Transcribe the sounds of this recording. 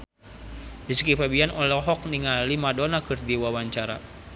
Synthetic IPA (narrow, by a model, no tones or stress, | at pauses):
biskifabianʔɔlɔɦɔk̚niŋalimadɔnakɨrdiwawaɲt͡ʃaɾa̰